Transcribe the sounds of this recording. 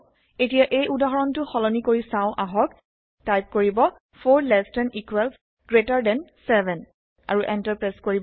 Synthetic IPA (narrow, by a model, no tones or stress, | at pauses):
etijaʔejudaɦɔɹɔntʊxɔlɔnikoɹisãʊ̃ʔaɦɔk | tajp̚koɹibɔ | pʰoɹlɛstɛnikwɛls | ɡ̥ɹetaɹdɛnsɛbɛn | a̰ɹuʔɛntaɹpɹɛskoɹib